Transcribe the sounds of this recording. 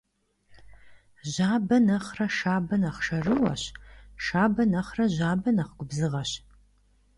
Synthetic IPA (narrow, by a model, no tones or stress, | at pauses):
ʑaːbɐnɐχrɐʃaːbɐnɐχʂɐrɨwɐ̰ɕʃaːbɐnɐχrɐʑaːbɐnɐχɡʷʊbzɨʁɐɕ